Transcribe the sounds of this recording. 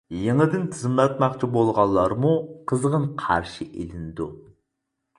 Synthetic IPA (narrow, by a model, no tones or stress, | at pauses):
jeŋɨd̪ɪnt̪ʰɨzɨmlˠɑt̪mɑqt͡ʃʰibolˠʁɑlˠːɑɾmuqʰəzʁənqʰɑɾʃɨʔḛlɪnɪd̪u